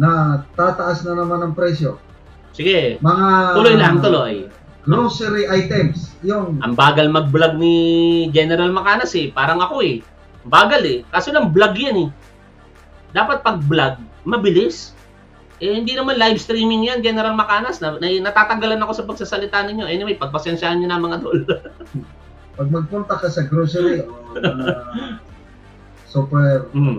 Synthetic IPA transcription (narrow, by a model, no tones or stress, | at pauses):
nɐt̪aːt̪ɐʔasnɐnɐmanɐŋpɾɛsjo | sɪɡɛmɐŋat̪ulojlaɐŋt̪oloʔj | noŋsɛɾiʔajt̪ɛmsjʊŋʔɐ̰ŋbaːɡɐlmɐɡ̚blaɡ̚nɪd͡ʒɛnɛɾɐlmɐkaːnɐsɛpaːɾɐŋɐko̞hɛ | ɐbaːɡɐlɛkaːsolɐŋblaɡjanɛ | d̪aːpɐt̪̚pɐɡ̚blaɡ̚mɐbɪlɪs | ʔɛhɪnd̪inɐmanlajbst̪ɾiːmɪŋjand͡ʒɛnɛɾɐlmɐkaːnɐsnɐnɐnɐt̪aːt̪ɐŋɡɐlanɐko̞sɐpɐɡ̚sasɐlɪt̪aːnɪɲːo̞ʔɐjonɐmɐjpɐɡ̚pɐsɛnʃaːhɐɲɲonɐmɐŋɐd̪ol | pɐɡ̚mɐɡ̚pʊnt̪ɐkɐsɛɡɾusɛɾi | supɛɾ̩m